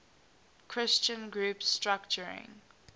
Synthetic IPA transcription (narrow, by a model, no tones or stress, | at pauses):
kʰɹ̥ɪst͡ʃə̃nɡɹuːpstɹakt͡ʃəɹɪ̰̃ŋ